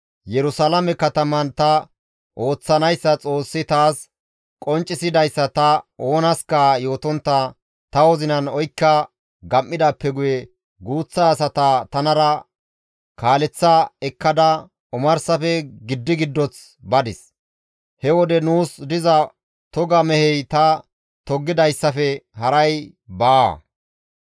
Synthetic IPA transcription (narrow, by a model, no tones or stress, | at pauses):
jɛɾʊsɐlɐmɛkɐt̪ɐmɐnt̪ɐ | ʔo̞ːt͡sːɐnɐjsːɐt͡sʼo̞ːsːɪt̪aːs | kʼɔnt͡ʃʼːɪsɪd̪ɐjsːɐt̪ɐo̞ːnɐskɐjo̞ːt̪ɔnt̪ːɐ | t̪ɐwɔzɪnɐnɔjkːɐ | ɡɐmːɪd̪apːɛɡʊjɛ | ɡuːt͡sːasɐt̪at̪ɐnɐɾɐ | kaːlɛt͡sːɐɛkːɐd̪ɐ | ʊmɐɾsɐfɛɡɪd̪ːɪɡɪd̪ːɔt͡s | bɐd̪ɪs | hɛwɔd̪ɛnuːsd̪ɪzɐ | t̪ɔɡɐmɛhɛjt̪ɐ | t̪ɔɡːɪd̪ɐjsːɐfɛhɐɾɐj | ba